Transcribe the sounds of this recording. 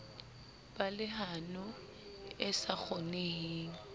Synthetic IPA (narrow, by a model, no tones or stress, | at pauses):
balɪɦanʊ | ɪsak͡xɔneiːŋ̩